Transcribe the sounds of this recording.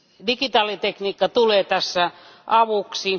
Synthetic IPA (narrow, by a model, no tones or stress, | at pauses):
dikit̪ɑːlit̪ekniːkːɑt̪uleːt̪æsːæ | ʔɑʋuksi